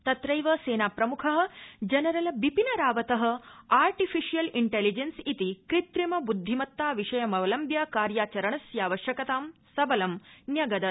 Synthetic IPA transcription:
t̪ɐt̪ɾɐjʋɐseːnaːpɾɐmukʰɐɦɐ̆d͡ʒɐnɐɾɐlɐbipinɐɾaːʋɐt̪ɐɦɐ̆aːɾʈifiʃijɐliɳʈeːlid͡ʒɐnsit̪ikɾit̪ɾimɐbud̪ʱːimɐt̪ːaːʋiʃɐjɐmɐʋɐlɐmbjɐkaːɾjaːt͡ʃɐɾɐɳɐsjaːʋɐʃjɐkɐt̪aːmsɐbɐlɐmnjɐɡɐd̪ɐ

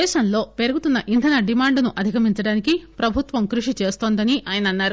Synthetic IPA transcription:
ɛːʃɐmlo̞ːpe̞ɾɐɡut̪unːɐʔind̪ʱɐnɐɖimaːɳɖnuʔɐd̪ʱikɐmiɲt͡ʃɐɽaːnikipɾɐbʱut̪ʋɐmkɾuʂit͡ʃe̞ːst̪o̞ːnd̪ɐniʔaːjɐnɐnːaːɾu

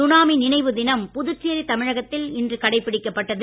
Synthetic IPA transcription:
ʊnaːminɪnɐɪʋɯðɪnɐmpʊðɯt͡ʃːeɾit̪ɐmɪɻɐɣɐt̪ːɪlɪndrɯkɐɽɐɪpːɪɽɪkːɐpːɐʈːɐðɯ

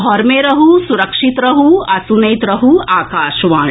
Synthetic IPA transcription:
ɦɔːɾmeːɾɐɦusuɾɐkʂit̪ɾɐɦuɐsunɐjt̪ɾɐɦuaːkaːʃʋaː

